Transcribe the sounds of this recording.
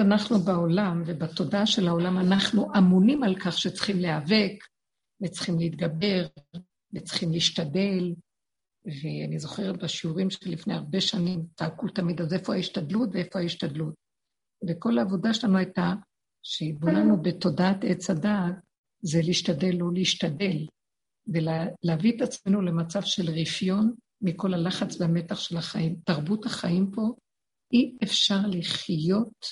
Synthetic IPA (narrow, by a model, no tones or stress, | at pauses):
anaχnubao̞lamve̞bat̪o̞daaʃe̞lhao̞lamanaχnuʔamunimalkaχʃet͡sχimleave̞k | vet͡sχimleit̪ɡabe̞ʁ | vet͡sχimliiʃtade̞l | veanizo̞χe̞ʁet̪̚baʃiuʁimʃlifnejaʁbeʃanimtaːkult̪amidaze̞fohahiʃtad̪lutveefoaiʃtad̪lut̚ | veko̞laːvo̞daʃelanuajta | ʃeibonanube̞to̞daatet͡sadaɡ | zeliiʃtade̞lːoleiʃtade̞l | velaleavit̪at͡sme̞nule̞mat͡savʃelʁifjo̞n | miko̞lalaχat͡slame̞taχʃe̞laχaimtaʁbuthaχaimpo̞ | ʔiefʃaʁliχjo̞t